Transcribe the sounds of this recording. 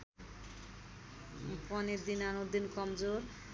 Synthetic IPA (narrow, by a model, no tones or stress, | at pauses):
pɔneɾd̪inanod̪inkɔmd͡ʒoɾ